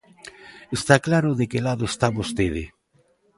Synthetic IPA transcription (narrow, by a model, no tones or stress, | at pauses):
est̪aklaɾʊðekelaðoest̪aβost̪eðe